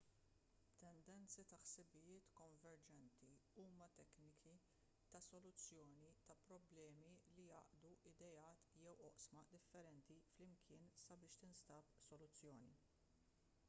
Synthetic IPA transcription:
t̪ɛnd̪ɛnt͡sit̪ɐħsɪbɪjɪːt̪kɔɱvɛɾd͡ʒɛnt̪iuːmɐt̪ɛknɪkʰi | t̪ɐsɔlʊt͡sːjɔːnit̪ɐpɾɔblɛːmilijɐ̰ːʔd̪uʔɪd̪ɛjɐːt̪jɛwɔʔsmɐd̪ɪfːɛɾɛnt̪iflɪmkʰɪːnsɐbɪːʃt̪ɪnst̪ɐːpsɔlʊt͡sːjɔːnḭ

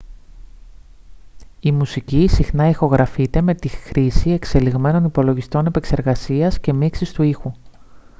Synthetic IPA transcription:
imusicisixnɐixo̞ɣɾʔɐfit̪e̞me̞t̪ixɾisie̞kse̞liɣme̞no̞nipo̞lo̞ʝist̪o̞ne̞pe̞kse̞ɾɣɐsiɐsce̞miksist̪uixu

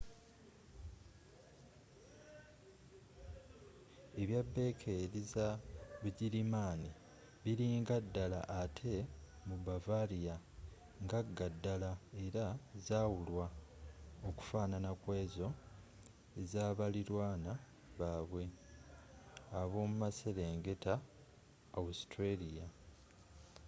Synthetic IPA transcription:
e̞βjabːe̞kʰe̞ɾizaβuɟiɾimaːni | βiɾiŋɡadːala̰ʔːtʰe̞ | mubavalija | ŋɡaɡadːalae̞ɾazaːwulwa | oku̥faːnanakwe̞ːzo̞ | zaːβaliɾwaːna | βaːβwe̞ | aβo̞ːmumase̞le̞ːŋɡe̞taː | ustɾelija

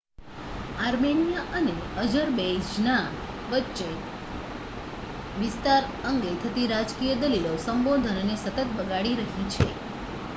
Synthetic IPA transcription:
aɾmenijaʔəneəd͡ʒəɾbed͡ʒna | ʋətːʃe | ʋɪst̪aɾəŋɡet̪ʰət̪iɾad͡ʒkijəd̪əlilosəmbod̪ʱənənesət̪ət̪bəɡaɽiɾəɦit͡ʃʰe

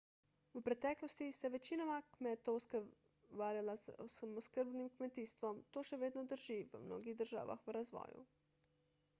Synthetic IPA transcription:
upɾet̪ɛklost̪iseʋet͡ʃinamakmet̪ousk | ʋaːɾalasamoskəɾbnimkmet̪ist̪ʋomt̪oʃeʋeːd̪nod̪r̩ʒiʋəmno̰ːɡiɣd̪rʒa̰ːʋa̰xuɾazʋo̰ːjṵ

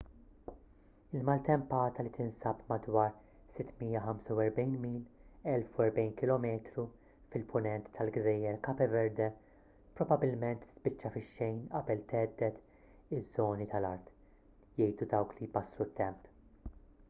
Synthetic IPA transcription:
ɪlmɐlt̪ɛmpɐːt̪ɐlit̪ʰɪnsɐpmɐd̪wɐːɾ | sɪt̪ːmiːjːɐħɐmsɐwɛɾbɛjnmiːlɛlfuɛɾbɛjnkɪlɔmɛːt̪ɾu | fɪlpʰʊnɛnt̪ːɐlɡzɛːjɛɾkɐpɛvɛɾd̪ɛ | pɾɔbɐbɪlmɛnt̪ːɪ̥spɪt͡ʃːɐfɪʃːɛjnʔɐbɛlt̪ɛːd̪ːɛt̪ | ɪzːɔːnit̪ʰɐlɐɾt̪ | jɛjd̪ud̪ɐwklijbɐslut̪ʰːɛmp

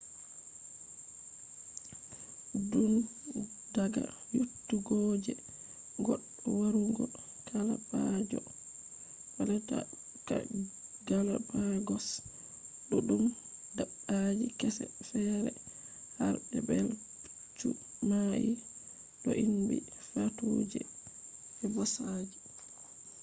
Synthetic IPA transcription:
dun | daɡa̰ | jutːuɡɔːd͡ʒɛ | ɡɔɗ | ɔwaɾuɡɔ | kʰalabad͡ʒɔ | balɛta | ka̰ɡalabaɡɔs | ɗɔɗum | daɓad͡ʒikɛsɛfɛɾɛ | haɾbɛbɛl | t͡ʃːu | maʔi | ɗɔʔinbifatod͡ʒɛ̰ | ɛbɔsad͡ʒi

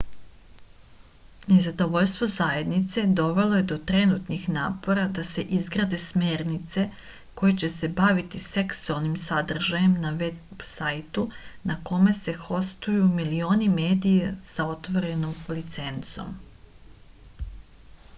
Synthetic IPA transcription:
nezad̪o̞ʋo̞ʎst̪ʋo̞zaje̞d̪nit̪se̞d̪o̞ʋe̞lˠo̞je̞d̪o̞t̪ɾe̞nut̪nixnaːpo̞ɾad̪ase̞ʔizɡɾaːd̪e̞sme̞ːɾnit̪se̞ | ko̞jet͡ɕe̞se̞baʋit̪ise̞ksualˠnimsad̪r̩ʒaje̞mnaʋebsajt̪unako̞me̞se̞xo̞st̪ujumilio̞ːnimeːd̪ijesao̞t̪ʋo̞ɾe̞nomlit̪se̞nt̪so̞̰m

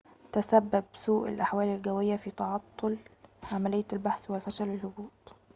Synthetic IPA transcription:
t̪æsæbːæbsuːʔɪ̰lʔaħwæːlɪlɡæwɪjːæfit̪ɑʕɑt̪ˤːolʕamælɪjːælbaħswɪlfæʃælɪlːʊbuːt̪

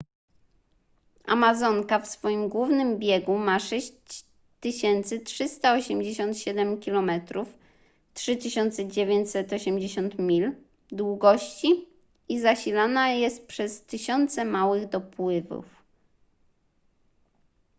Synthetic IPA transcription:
a̰mazɔŋkafsfɔjimɡwuvnɘmbʲjɛɡumaʂɛɕt͡ɕ | t̪ːɘɕɛnt̪sɘtʂɘst̪aɔɕɛmd͡ʑeɕɔ̃nt̪ɕɛd̪ɛmkʲilɔmɛt̪ɾuf | tʂɘt̪ɘɕɔnt̪sɛd͡ʑevʲjeɲt͡ɕsɛt̪ɔɕɛmd͡ʑeɕɔnt̪mʲil | d̪wuɡɔɕt͡ɕi | izaɕilanajɛst̪̚pʂɛst̪ɘɕɔnt̪sɛmawɘɣd̪ɔpwɘvṵf

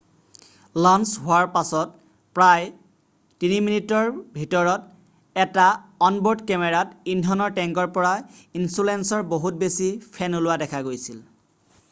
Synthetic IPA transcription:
lansɦʊaɹpasɔt̚ | pɹaj | tiniminitɔɹbʱitɔɹɔt | ɛtaɔnboɹdkɛmɛɹatindʱɔnɔɹʈɛŋkɔɹpɔɹainsulɛnsɔɹboɦut̚besipʰɛnolʊwadɛkʰaɡojsil

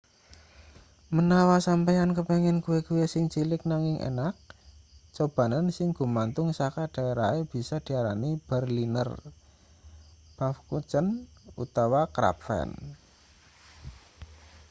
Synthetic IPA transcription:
mənawasampɛjankəpeŋɪnkuwekuwesɪŋt͡ʃilɪk̚naŋɪŋʔḛnak̚t͡ʃob̥a̤nənsɪŋɡ̥ṳmant̪ʊŋsakad̥a̤eɾaeb̥i̤sɔd̪̥i̤aɾanib̥ɛrlinə̰r | b̥afkut͡ʃənṵt̪awakɾa̰pfɛ̰n

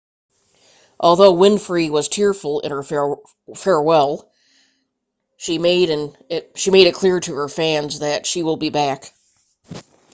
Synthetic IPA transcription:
ʔɔlˠðoʊwɪ̃nfɹiwʌz̥tʰɪɹfl̩ˠɪ̰̃nə˞ | fɛɹwɛlˠ | ʃimeɪɾɨ̃n | ɪʃimeɪɾɨt̚kʰl̥ɪɹɾɨə˞fæ̃nzðɨtʃiwəlˠbibæk

